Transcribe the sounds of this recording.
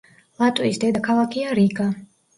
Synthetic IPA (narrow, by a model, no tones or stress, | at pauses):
lˠat̪ʼwisd̪ɛd̪akʰalˠakʰiaɾiɡʼa